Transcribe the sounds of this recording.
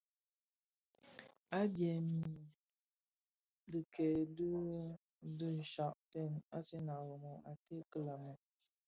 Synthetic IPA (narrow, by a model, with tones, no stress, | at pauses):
a˦d͡ʒe˨mi˨ | dɨ˨kɛ˨dɨ˦ | dɨ˦˨ʃa˦˨ʔtɛ˦˨na˦se˦na˨wo˨mo˨ʔa˨te˦kə˦la˨mə˨